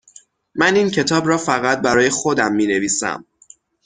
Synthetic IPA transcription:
mæniːncʰe̞t̪ʰɒːbɾɒːfæɣæt̪̚bæɾɒːje̞xod̪æmːiːne̞viːsæ̰m

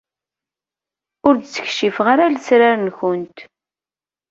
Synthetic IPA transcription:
ʊɾd̪t͡sːə̥çʃifʁaɾaləsɾaɾənçʊnt̪

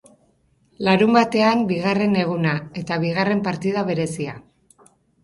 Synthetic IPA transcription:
laɾumbat̪e̞ambiɣ̞are̞ne̞ɣ̞unae̞t̪aβiɣ̞are̞mpaɾt̪ið̞aβe̞ɾe̞sia

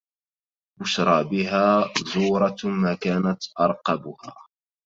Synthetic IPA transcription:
ʔʊʃɾˤɑːbɪɦaːzuːɾˤɑmaːkaːnat̪ʔɑɾˤqɑbʊha̰ː

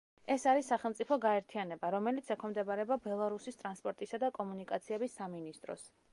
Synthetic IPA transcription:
ɛsaɾisːaχɛlˠmt̪sʼipʰɔɡaɛɾt̪ʰianɛbaɾɔmɛlit̪sʰɛkʰɛmd̪ɛbaɾɛbabɛlˠaɾusist̪ʼɾanspʼɔɾt̪ʼisad̪akʼɔmunikʼat̪sʰiɛbisːaminist̪ʼɾɔ̰s

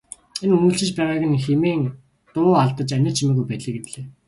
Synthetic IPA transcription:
enumuːɮt͡ɕɘ̆t͡ɕpæːʁaːɣə̆nxemeːŋ | t̪ʊːaɮt̪ə̆t͡ɕænʲɪ̆t͡ɕʰimeːɣujpæːt̪ɮɘ̆ɡet̪ɮeː

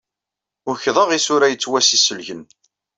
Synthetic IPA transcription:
ʊɾçðˤəʁisʊɾæjət͡sːwæsisəlʝən

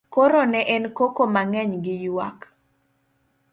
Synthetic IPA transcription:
koɾonɛʔɛnkokomaŋɛɲɡɪjwa̰k

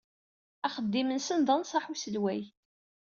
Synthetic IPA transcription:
æχəd̪ːimənsənðˤənsˤɑħusəlwæj

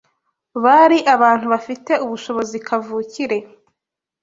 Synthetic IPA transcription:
βaɾiʔaβaːn̥huβafite̞uβuʃo̞βo̞zikʰavuːciɾe̞

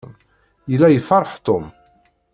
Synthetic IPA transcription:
n | jəlːæjəfɑɾˤħt̪om

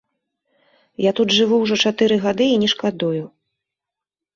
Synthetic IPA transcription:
jat̪ud̪ʐɨvuwʐɔt͡ʂat̪ɨɾɨɣad̪ɨinʲɛʂkad̪uju

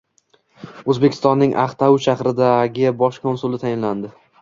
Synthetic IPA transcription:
ɵzbekʲʰɪ̥st̪ɒnːɪŋʔa̰χt̪ʰawʊʃaχɾɪd̪aɡʲɪbɒʃkʰonsʊlˠɪt̪ʰajɪnland̪ɪ

